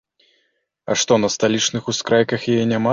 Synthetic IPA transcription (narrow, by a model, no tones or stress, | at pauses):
ɐ̰ʂt̪ɔnɐst̪alʲit͡ʂnɨxuskɾajkɐxjajɛnʲama